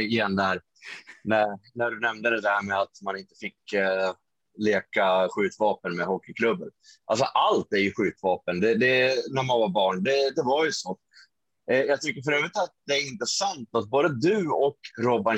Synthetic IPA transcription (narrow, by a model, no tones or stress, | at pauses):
ɪjɛnd̪æɾ | nænæɖɵnɛmd̪əd̪ɛd̪æɾmɛat̪manɪnt̪ə̥fɪkː | leːkaɧʉ̟ːt̪vɑːpənmɛɦɔkːɪkʰlɵbːənʔals̬ɔʔalt̪æɾjɵɧʉ̟ːt̪vɑːpənd̪ɛd̪ɛnæɾmanvaɾbɑːɳd̪ɛd̪ɛvaɾjɵsoː | jɑːɡt̪ʰʏkːəɾfœɾøːvɾɪt̪at̪̚d̪ɛæɾɪnt̪ɾəsant̪at̪̚boːd̪əd̪ɵɔkɾɔba